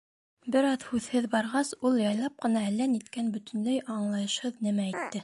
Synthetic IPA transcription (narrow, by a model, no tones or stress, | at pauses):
bɘ̆ɾɑðhʉðhɘðbɑɾʁɑsulˠjɑjlˠɑp̚qɤ̆nɑælːænit̪kænbɵ̆t̪ɵ̆nd̪æjʔɑɴlˠɑjɤ̆ʃhɤðnɘmææjt̪ːɘ